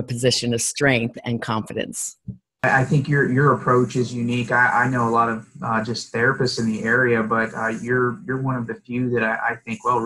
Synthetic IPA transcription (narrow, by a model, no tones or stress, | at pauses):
əpʰɨzɪʃɨ̃nʌv̥stɹ̥ɛ̃ŋk̚θɨ̰̃nkʰɑ̃ɱfɨɾɨ̰̃ns | ɪʔaɪθɪ̃ŋkjə˞jə˞əpʰɹ̥oʊt͡ʃɨzjʉnikaɪʔa̰ɪnoʊəlɔɾʌv̥ʌd͡ʒʌsθɛɹɨpɨstsɨ̃nðiʔɛɹiɨbʌtʌjə˞jə˞wʌ̃nʌvðɨfjʉðɨɾaɪʔa̰ɪθɪ̃ŋkwɛlˠ